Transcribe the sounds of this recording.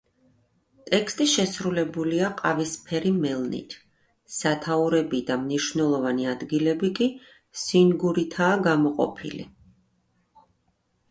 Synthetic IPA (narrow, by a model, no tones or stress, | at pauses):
t̪ʼɛkʰst̪ʼiʃɛsɾulɛbuliaqʼavispʰɛɾimɛlˠnḭt̪ʰ | sat̪ʰauɾɛbid̪amniʃvnɛlˠɔvaniad̪ɡilɛbikʼi | sinɡuɾit̪ʰaːɡamɔqʼɔ̰pʰḭlḭ